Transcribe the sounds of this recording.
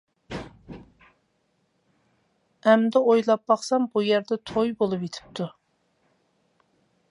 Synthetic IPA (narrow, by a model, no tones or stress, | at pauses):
ɛmd̪ɛojlˠɑp̚ːɑχsɑmbujɛɾd̪ɛt̪ʰojbolˠupjet̪ʰɪ̥p̚t̪ʰu